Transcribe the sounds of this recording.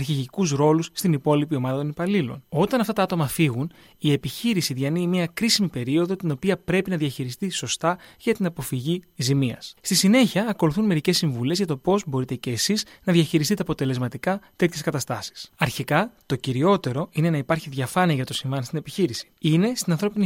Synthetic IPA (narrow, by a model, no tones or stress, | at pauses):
ɐɾçiʝikuzɾo̞lusːt̪inipo̞lipio̞mɐðɐt̪o̞nipɐlilo̞̰no̞t̪ɐnɐft̪ɐt̪ɐɐt̪o̞mɐfiɣun | ie̞piçiɾisiðʝɐnimiɐkɾisimipe̞ɾio̞ðo̞t̪ino̞piɐpɾe̞pinɐðʝɐçiɾist̪iso̞st̪ɐʝɐt̪inɐpo̞fiʝizimiɐ̰sst̪isine̞çiɐːko̞luθunme̞ɾice̞sːiɱvule̞zʝɐt̪opo̞zbo̞ɾit̪e̞ce̞ːsiznɐðʝɐçiɾisit̪eɐpot̪e̞le̞zmɐt̪ikɐt̪e̞t̪çe̞skɐt̪ɐst̪ɐsi̥sɐɾçikɐt̪o̞ciɾio̞t̪e̞ɾo̞ine̞nɐipɐɾçiðʝɐfɐniɐʝɐt̪o̞siɱvɐnst̪ine̞piçiɾisi̥ine̞st̪inɐnθɾo̞pini